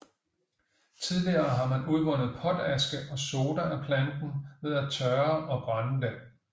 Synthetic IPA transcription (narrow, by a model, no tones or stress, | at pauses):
t͡sʰið̞ˠliɐːɦɑ̈mænuð̞ˠʋɒ̽n̰ð̩ˠpʰɒ̽d̥æsɡ̥əʔɒ̽so̝ːd̥ɐæpʰlænd̥n̩ʋe̝ðˠæt͡sʰɶɐʔɒ̽b̥ʁɑnd̥e